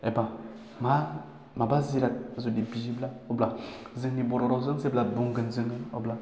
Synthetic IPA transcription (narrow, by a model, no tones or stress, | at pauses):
ɛba | ma | mabaziɾat̚azodebid͡ʒiblaobla | ziŋniboɾoɾozənseblabuŋɡənziŋɡəo̰bla